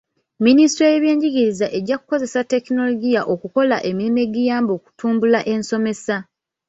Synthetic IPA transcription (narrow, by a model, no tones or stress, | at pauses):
ministɾojeβje̞ːɲɟiɡiɾizaʔe̞ɟːakuko̞ze̞satːe̞kino̞lo̞ɡijaʔo̞kuko̞la̰ʔe̞milime̞ɡijaːmbo̞ːku̥tuːmbulaʔe̞nso̞me̞sa